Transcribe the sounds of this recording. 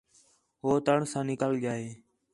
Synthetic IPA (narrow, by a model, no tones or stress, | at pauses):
ɦoːt̪əɳsãːnɪkaːlɠjaːɦeː